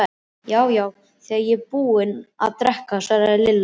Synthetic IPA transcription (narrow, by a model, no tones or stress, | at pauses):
jaːwjaːw | θiːaɾjɛpuːɪna̰ðt̪ɾɛhkasaɾaɪlɪlːa